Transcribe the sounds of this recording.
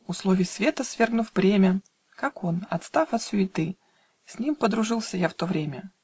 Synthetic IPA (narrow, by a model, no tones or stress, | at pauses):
ʊslˠo̞vʲɪjsvʲe̞t̪əsvʲe̞rɡnʊfbɾʲemʲə | kako̞nɐ̰t̪st̪afɐt̪sʲʊɪt̪ɨ | sʲnʲimpəd̪ɾʊʐɨlˠsʲəjaft̪o̞vɾʲemʲə